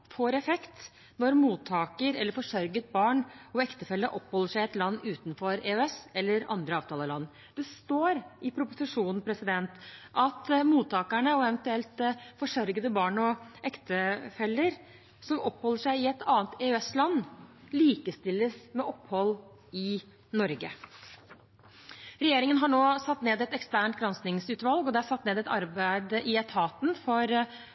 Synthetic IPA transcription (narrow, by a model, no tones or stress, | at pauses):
foːɾɛfɛkt̪ | nɔɾmuːt̪ʰːɑːkəɾɛlːəɾfɔʂœɾɡət̪̚bɑːɳɔɛkt̪əfɛlːəɾʔɔpːhɔlːəʂæɪɪɛt̪lɑnːʉːt̪nfɔɾeːʉɛsɛlːəɾɑ̰nd̪ɾəɑːʋt̪ʰɑːləlɑnː | d̪̥ɛst̪oːɾʔɪpʰɾʊpʊsɪʂuːnn̩pʰɾɛsɪd̪ɛnt̪ʔɑt̪muːt̪ʰːɑːkæɳəɔɛʋənt̪ʉɛlt̪fɔʂœɾɡəd̪əbɑːɳɔʔɛkt̪əfɛlːəɾ | sɔmɔpːhɔlːəʂæɪɪɛt̪ɑːnt̪eːʉɛslɑnː | liːkəst̪ɪlːəsmɛʔɔpːhɔlː | ɪ | nɔɾɡə | ɾɛjeːɾɪŋənɦɑɳoːsɑt̪ːneːd̪ɛt̪ɛkst̪æːɳʈ̪̚ɡɾɑnsnɪŋsʉːt̪ʋɑlɡɔd̪ɛæsɑt̪ːneːd̪ɛt̪ɑɾbæɪd̪ɪɛt̪ʰɑːt̪nfɔɾ